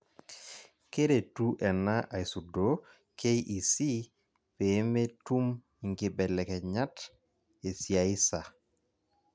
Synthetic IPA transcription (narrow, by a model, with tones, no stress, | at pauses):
ke˦ɾe˨tu˦ʔɛ˨na˦ʔa˨i˨su˨do˨ | kʰe˦jʔi˨si˦ | pe˨˦me˦tu˦m | i˨ŋɡɪ˨bɛ˨lɛ˨kɛ˨ɲa˦t | e˨sja˨ɪ˦sa˨